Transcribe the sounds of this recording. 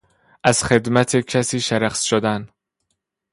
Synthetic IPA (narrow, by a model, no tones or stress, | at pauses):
ʔæz̥xe̞d̪mæt̪ʰecʰæsiːʃæɾæxsʃod̪æn